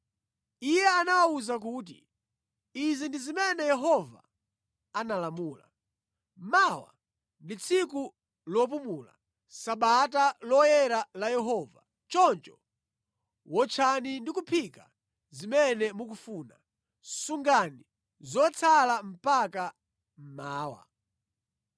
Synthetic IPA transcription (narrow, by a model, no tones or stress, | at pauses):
ijɛanawauzak̬uːt̬ḭ | izindizimɛnɛjɛɦɔva̰ː | nalamuːla̰ | mawa̰ | ndit͡sʰiku | lɔp̬umula̰ | saɓatalɔjɛɾalajɛɦɔva̰ | t͡ʃɔnt͡ʃɔ | wɔt͡ʃʰanindikupʰika | zimɛnɛmukufuːna | suŋɡani | zɔt͡sʰalam̩paka | m̩maːwa̰